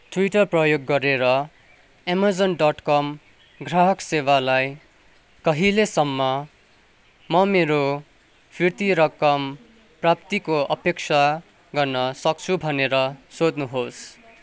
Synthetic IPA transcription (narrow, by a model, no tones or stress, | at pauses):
ʈʰwiʈʌrprʌjoɡːʌɾeɾʌ | emʌrd͡zʌnɖʌʈkʌm | ɡraɦʌksewalaj | kʌɦilesʌmːʌ | mʌmeɾo | pʰirt̪iɾʌkʌm | prap̚t̪ikoʌpek̚t͡sʰa | ɡʌrnʌsʌk̚t͡sʰubʱʌneɾʌsod̪nuɦos